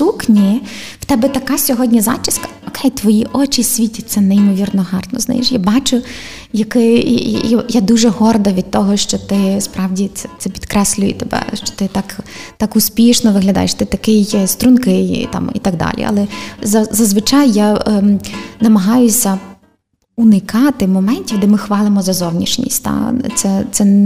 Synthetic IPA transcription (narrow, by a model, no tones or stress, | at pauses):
suknʲiw̥t̪ɛbɛt̪ɐkɑsʲɔɦɔdʲnʲizɑ̰t͡ʃɪskɐ̥ɔkʰɛjt̪ʋɔjiʔɔt͡ʃisʲʋʲitʲit̪sɛnɛimɔʋʲirnɔɦɑrt̪ɔ̰zna̰jḭʃjabɑt͡ʃʊ | jɐkɪjjad̪uʒɛɦɔrd̪ɐʋʲid̪̚t̪ɔɦɔʃt͡ʃɔt̪ɪspɾʔɑwdʲisɛt̪sɛpʲid̪kɾɛsʲlʲʊjɛ̰t̪ɛbɛ̰ʃt͡ʃɔ̥t̪ɪt̪ɑkt̪ɑkʊspʲiʃnɔʋɪɦlʲɐd̪ɑ̰jeʃt̪ɪt̪ɐkɪjst̪ɾʊnkɪj̰t̪ɑ̰mḭt̪ɐɡ̚d̪ɑ̰lʲḭʔɐ̰lˠɛzɐzɐzʋɪt͡ʃɑjːa | nɐmɐɦɑjʊsʲɐ | unɪkɑt̪ɪmɔmɛnʲtʲiwd̪ɛmɪxʋɑlˠɪmɔzɐzɔwnʲiʃnʲḭsʲt̚ʲt̪a̰t̪sɛt̪sɛ